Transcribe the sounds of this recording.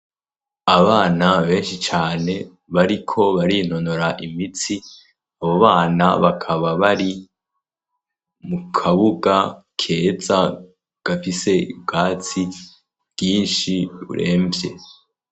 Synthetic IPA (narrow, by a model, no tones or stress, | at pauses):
aβaːnaβe̞ːnʃit͡ʃaːne̞ | βaɾikʰo̞βaɾino̞noɾaʔimit͡si | aβo̞βaːna̰βakʰaβaβaɾi | mukʰaβuɡakʰe̞ːza | ɡ̥afise̞ibɡaːt͡si | β̥jiːnʃiṵɾʔe̞̰ːmbje̞